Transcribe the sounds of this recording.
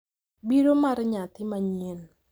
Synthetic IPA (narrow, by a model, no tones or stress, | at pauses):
biɾomaɾɲat̪ɪmaɲel